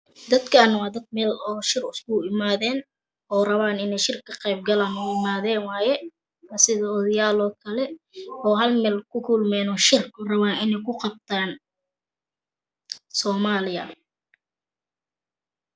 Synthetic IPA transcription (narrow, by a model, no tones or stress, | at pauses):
d̪ɐd̪kʰaːnwɑːd̪ɐd̪̚mɛːlɔːʃɪrʊskʊɪmaːðɛːn | ʔɔːrɐβaːnɪnɛjʃɪrkʰɐqɛjb̚ɡɐlaːnʊɪmaːðɛːnwaːjɛ | ɐsɪðɔːðɐjaːlɔːkʰɐlɛ | ɔːɦɐlmɛːlkʰʊkʰʊlmɛːnɔːʃɪrkʰʊrɐβaːnɪnɛjkʰʊqɑb̚t̪ʰaːn | sɔːmaːlɪɐ̰